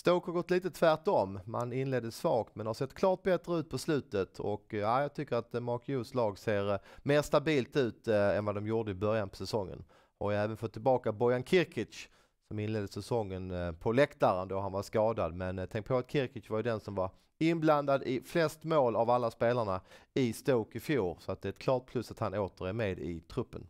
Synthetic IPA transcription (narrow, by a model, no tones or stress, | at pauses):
st̪uːkhaɾɡɔt̪ːliːt̪ət̪ʰvæʈɔmma̰nɪnleːd̪əsvɑːɡt̪mɛnhasɛt̪ːkʰlɑːʈt̪̚bɛt̪ɾəʉ̟ːt̪̚pʰɔslʉ̟ːt̪ət̪ʰɔ̰kaɪjɑːɡ̚t̪ʰʏkːəɾat̪mɑkjuslɑːɡseːɾmeːɾst̪abiːlt̪ʉ̟ːt̪ɛnvad̪ɔmjʊːɖəɪbœɾjanpʰɔ̥sɛsɔŋːə̰n | ha̰ɾjɵæːvənfɔt̪ʰːɪlbɑːkabɔjankʰɪɾkʰɪt͡ʃ | sɔmɪnleːd̪əsɛsɔŋːənpʰɔlɛkt̪aɾənd̪ɔɦanvaskɑːd̪ad̪mɛnt̪ʰɛŋk̚pʰɔat̪̚kʰɪɾkɪsvaɾjʏd̪ɛnsɔmvaɾ | ɪnbland̪ad̪ɪflɛst̪moːlavalːaspeːlaɳaɪst̪oːkɪfjuːɾsɔat̪̚d̪ɛɾɛt̪̚kʰlɑːʈ̪̚pʰlɵsːat̪hanoːt̪əɾæmeːd̪ɪ̰t̪ʰɾɵpːən